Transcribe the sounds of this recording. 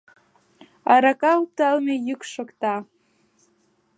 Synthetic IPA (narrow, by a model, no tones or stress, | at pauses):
aɾakaup̚t̪almejɨkʂokt̪a